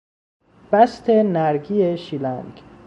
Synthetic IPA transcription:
b̥æst̪ʰenæɾɡiːeʃilæŋɡ

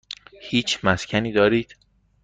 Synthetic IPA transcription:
hiːt͡ʃʰmæscʲʰæniːd̪ɒːɾiːd̪̥

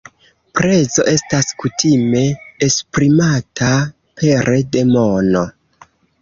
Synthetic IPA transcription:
pɾe̞zo̞ʔe̞staskutʰime̞ːspɾimata | pʰe̞ɾede̞mono

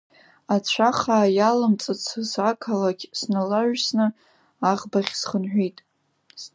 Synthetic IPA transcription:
at͡ɕʷʰaχaːjalamt͡sʼɨt͡sʰɨzakʰalaɡʲsnalaʒᶣsnɨ | aʁbaχʲsχənħʷᶣijtʼ

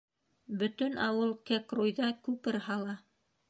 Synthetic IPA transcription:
bɵ̆t̪ɵnɑwɤlˠkækrujðɑkʉpɘɾhɑlˠɑ

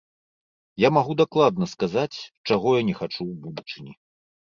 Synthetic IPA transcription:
jamaɣud̪aklˠad̪̚nɐskazat͡sʲt͡ʂaɣɔjanʲɛxat͡ʂuwbud̪ut͡ʂɨnʲi

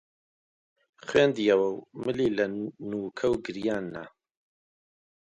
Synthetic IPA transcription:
χweːnd̪ijɐwɐwmɨliːlɐnuːkʰɐwɡɨɾjaːnːa̰

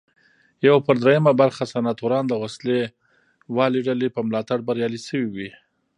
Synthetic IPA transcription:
jawpəɾd̪ɾejamabaɾxasanɑt̪uɾɑnd̪əwasle | wɑliɖalepəmlɑt̪aɽbaɾjɑlisəwiwi

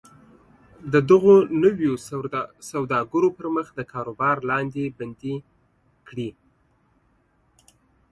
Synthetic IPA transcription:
d̪əd̪əɣonəwjosawd̪ɑɡəɾopəɾməxd̪əkʰɑɾobɑɾlɑnd̪eband̪i | kɽi

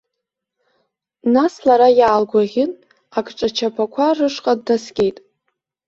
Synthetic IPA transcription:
naslaɾajaːlɡʷaʁʲɪn | akʰʼʈ͡ʂʼat͡ʃʰapʰakʷʰarɨʂqʼadnaskʲʼejtʼ

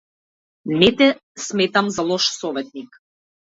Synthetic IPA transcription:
nɛt̪ɛsmɛt̪amzalˠɔʃsɔvɛt̪̚nik

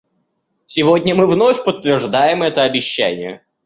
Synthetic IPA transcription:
sʲɪvodʲnʲəmɨvnofʲpət̪ːvʲɪrʐd̪ajɪmɛt̪əɐbʲɪɕːæ̰nʲɪ̰jə̰

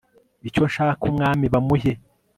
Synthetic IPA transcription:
ico̞nʃaːkumŋaːmiβamuhe

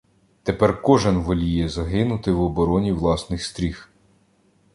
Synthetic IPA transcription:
t̪epɛrkɔʒɪnʋɔlʲijɛzɐɦɪnʊt̪ɪwɔbɔɾɔnʲiʋlˠɑsnɪxst̪ɾʲix

